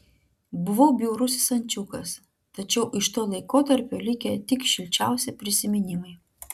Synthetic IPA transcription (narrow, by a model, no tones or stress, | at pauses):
bʊʋoːbʲjuːɾʊsʲɪsɐnʲt͡ʃʲukɐs | t̪ɐt͡ʃʲɛʊʔɪʃt̪oːlˠɐɪkoːt̪ɐɾʲpʲoːlʲɪkʲɛt̪ʲɪkʃʲɪlʲt͡ʃʲæˑʊsʲɪpʲɾʲɪsʲɪmʲɪnʲɪmɐɪ